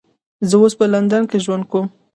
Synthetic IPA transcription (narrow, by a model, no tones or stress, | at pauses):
zəwospəland̪ankeʒwand̪̚kum